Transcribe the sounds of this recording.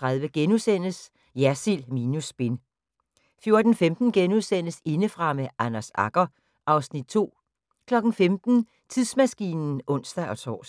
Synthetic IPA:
t͡sʰʁaðˠʋəɡ̥enusen̰əs | jæɐsilminusb̥e̝n | fjo̝ɐd̥n̩femd̥n̩ɡ̥enuðˠsen̰əse̝nəfʁɑ̈meʔænæsɑ̈ɡ̥ɐ | ʔɑ̈ʊsnid̥̚t͡sʰo̝̰ː | kʰlɒ̽ɡ̥n̩femd̥n̩ | t͡sʰið̰ˠsmæsɡ̥ḭːnn̩ʔɔ̽n̰sd̥æʔɒ̽t͡sʰɒ̰ːs

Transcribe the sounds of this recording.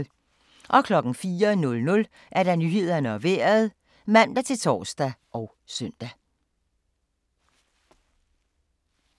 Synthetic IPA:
ʔɒ̽kʰlɒ̽ɡ̥n̩fiːɐnɔ̽lnɔ̽l | ʔæɐɾ̥ænyɦe̝ð̞̰ˠɐnəɒʋḛɐðˠ | mæn̰d̥æt͡sʰe̝lt͡sʰɒ̰ːsd̥æʔɒʊ | sœn̰d̥æ

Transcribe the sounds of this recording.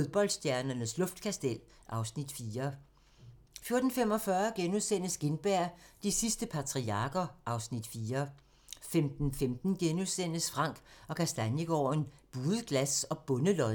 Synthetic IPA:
foðˠb̥ɒ̽l̰d̥sd̥jæɐnɐnəslɔ̽fd̥̚kʰæsd̥el̰ | ʔɑ̈ʊsnid̥fiːɐ | fjo̝ɐd̥n̩fem̰ɒ̽fɶɐɡ̥enuðˠsen̰əsɡ̥e̝nb̥æɐ̰d̥isisd̥əpʰɑ̈t͡sʰʁiɑ̈ɡ̥ɐʔɑ̈ʊsnid̥fiːɐ | femd̥n̩femd̥n̩ɡ̥enusen̰əsfʁɑ̈ŋ̰ɡ̥ɒ̽kʰæsd̥ænjəɡ̥ɒ̰ːnb̥uːðˠəɡ̥læsɒ̽b̥ɔ̽nəlɒ

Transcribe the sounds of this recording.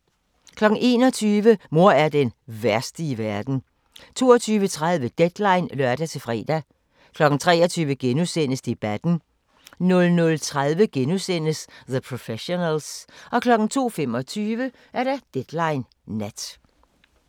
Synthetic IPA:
kʰlɒ̥̽n̩e̝̰ːnɒ̽t͡sʰyːʋəmo̝ɐ̰æɐd̥enʋæɐsd̥iʋæɐd̥n̩ | t͡sʰo̝ːɒt͡sʰyːʋət͡sʰʁað̞ˠʋəd̥ed̥lɑ̈ɪnlɶɐd̥æt͡sʰe̝fʁɛ̰ːd̥æ | kʰlɒ̽ɡ̥ŋ̩t͡sʰʁɛ̰ːɐt͡sʰyːʋəɡ̥enusen̰əsd̥e̝b̥æd̥n̩ | nɔ̽lnɔ̽lt͡sʰʁaðˠʋəɡ̥enusen̰əsðəpʰʁofeɕo̝nælsʔɒ̽kʰlɒ̽ɡ̥n̩t͡sʰo̝̰ːfem̰ɒ̽t͡sʰyːʋə | ʔæɐd̥æd̥ed̥lɑ̈ɪnː | æd̥

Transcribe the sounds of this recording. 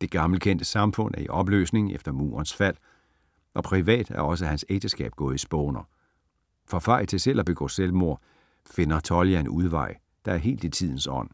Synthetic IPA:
d̥e̝ɡ̥ɑ̈ml̩kʰen̰d̥əsɑ̈mfɔ̽n̰æɐiʔɒ̽b̥lø̰ːsne̝ŋefd̥ɐmṵːɐnsfæl̰ | ʔɒ̽pʰʁiʋɛ̰ːd̥æɐɒ̽s̬əhænseɡ̥̚d̥əsɡ̥ɛ̰ːb̥̚ɡ̥ɔ̽ːð̞̩ˠisb̥ɔːnɐ | fʁɑ̈fɑ̈ɪ̰̥t͡sʰe̝sel̰ɒb̥e̝ɡ̥ɒ̰ːselmo̝ɐ̰ | fe̝nɐt͡sʰɒ̽ljænuð̞ˠʋɑ̈ɪ̰ | d̥ɑ̈æɐɦe̝̰ːld̥it͡sʰið̞̰ˠn̩sɒ̽n̰

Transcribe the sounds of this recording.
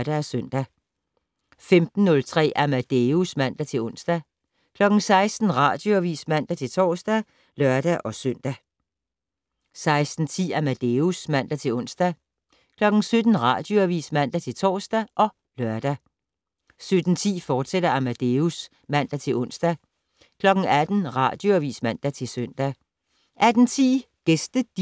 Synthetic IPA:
d̥æsøn̰d̥æ | femd̥n̩ːɔ̽lt͡sʰʁɛ̰ːʔæmæd̥eusmæn̰d̥æt͡sʰe̝lɔ̽n̰sd̥æ | kʰlɒ̽ɡ̥n̩sɑ̈ɪsd̥n̩ʁɑ̰̈ːd̥joæʋḭːsmæn̰d̥æt͡sʰe̝lt͡sʰɒ̰ːsd̥æ | lɶɐd̥æʔɒ̽søn̰d̥æ | sɑ̈ɪsd̥n̩t͡sʰḭːæmæd̥eusmæn̰d̥æt͡sʰe̝lɔ̽n̰sd̥æ | kʰlɒ̽ɡ̥n̩sød̥n̩ʁɑ̰̈d̥joæʋḭːsmæn̰d̥æt͡sʰe̝lt͡sʰɒ̰ːsd̥æʔɒ̽ | lɶɐd̥æ | sød̥n̩t͡sʰḭːfɒːd̥seɾɐæmæd̥eus | mæn̰d̥æt͡sʰe̝lɔ̽n̰sd̥æ | kʰlɒ̽ɡ̥ŋ̩æd̥n̩ʁɑ̰̈d̥joæʋḭːsmæn̰d̥æt͡sʰe̝lsøn̰d̥æ | ʔæd̥n̩t͡sʰḭː | ɡ̥esd̥əd̥

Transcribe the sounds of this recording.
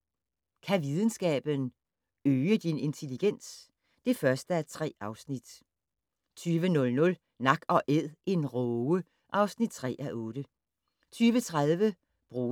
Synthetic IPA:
kʰæʋiðˠən̩sɡ̥ɛ̰ːb̥ən | øːəd̥ine̝nt͡sʰe̝liɡ̥en̰s | d̥e̝fɶɐsd̥əæɐt͡sʰʁɛ̰ːɑ̈ʊsnid̥ | t͡sʰyːʋənɔ̽lnɔ̽l | nɑ̈ɡ̥ɒ̽ʔeð̰ˠʔe̝nʁɔə | ʔɑ̈ʊsnid̥̚t͡sʰʁɛ̰ːʔæʔɔ̽ːd̥ə | t͡sʰyːʋət͡sʰʁaðˠʋə | b̥ʁuː

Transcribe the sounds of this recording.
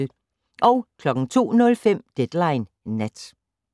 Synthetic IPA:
ʔɒ̽ʊkʰlɒ̽ɡ̥ŋ̩t͡sʰo̝̰ːnɔ̽lfem̰d̥ed̥lɑ̈ɪnː | æd̥

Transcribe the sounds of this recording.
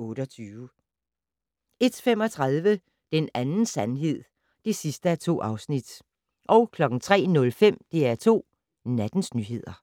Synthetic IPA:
ɔ̽ːɾ̥əɒt͡sʰyːʊ | e̝d̥fem̰ɒ̽t͡sʰʁaðˠʋə | d̥enænn̩sænɦe̝ð̞̰ˠ | d̥e̝sisd̥əæɐt͡sʰo̝̰ːʔɑ̈ʊsnid̥ | ʔɒ̽ʊkʰlɒ̽ɡ̥n̩t͡sʰʁɛ̰ːnɔ̽lfem̰d̥e̝æɐt͡sʰo̝̰ː | næd̥n̩snyːɦe̝ð̞̰ˠɐ

